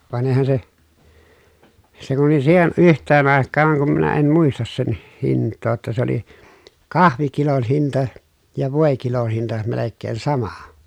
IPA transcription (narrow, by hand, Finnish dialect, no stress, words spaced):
ʋɑn eĭhæn se se kun oli siːhen ʔyhtˑeːn ɑˑekːɑːŋ kum minæ em muistɑs sen hiˑnˑtˑoː tːɑ se oli kɑhʋikilon hintɑ jɑ ʋoˑekilon̞ hintɑ melekːeːn sɑmɑ